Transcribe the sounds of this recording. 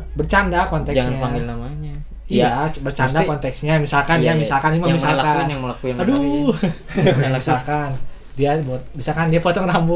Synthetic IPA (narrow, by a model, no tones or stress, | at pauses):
bərt͡ʃandakɔnt̪ɛkd͡ʒaŋanpaŋɡɪlnamaɲa | iabərt͡ʃandakɔnt̪ɛksɲamisalkanjamisalkanmamisalakanjaŋməlakuɪnado | aaisalkan | diabut̪̚bisalkandiafot̪ɔŋrambu